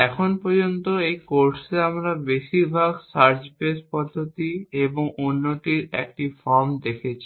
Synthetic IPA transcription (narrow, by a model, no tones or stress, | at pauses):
ɛkʰonpɔɾd͡ʑont̪oejkoɾseamɾabeʃiɾbʱaɡsaɾd͡ʑpespɔd̪ʱːot̪ieboŋonːoʈiɾḛk̚ʈifɔɾmd̪ekʰet͡ɕʰi̥